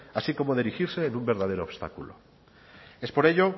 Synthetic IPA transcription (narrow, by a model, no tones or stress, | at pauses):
asiko̞moð̞iɾixiɾseːnũmbe̞ɾðað̞eɾoːβ̥st̪a̰kulo̰ | espo̞ɾe̞ʎo